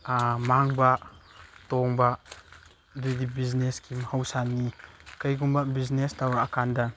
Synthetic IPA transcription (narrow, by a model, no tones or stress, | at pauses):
maŋba | tɔŋba | didibizneskʰimhawsanːikajɡumbabiznestawɾaːkanda